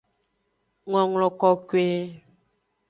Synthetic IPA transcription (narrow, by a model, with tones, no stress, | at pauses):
ŋɔ˨ŋlɔ˨kɔ˨kwe˦